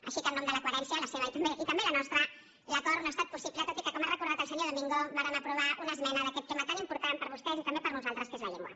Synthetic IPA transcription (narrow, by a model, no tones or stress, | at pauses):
ə̰ʃikəlnɔmd̪ələkwəɾɛnsjələseβəit̪ɐmbeʔit̪əmbelənɔst̪ɾə | ləkɔɾunəst̪at̪̚pusiplət̪ot̪ikəkɔmarəkuɾðat̪əlˠsəɲoðəmiŋɡoβaɾəməpɾuβ̞aʔunəzmɛnəðəkɛt̪ːemət̪animpuɾt̪ampəɾβust̪ɛzit̪əmbepəɾnuzalˠt̪ɾəskezlaʎɛŋɡwa̰